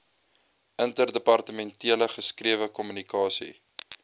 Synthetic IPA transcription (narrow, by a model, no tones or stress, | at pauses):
ʔəntərdəpɐrtəmɛntiələχəskriəvəkɔmynikɑːsḭ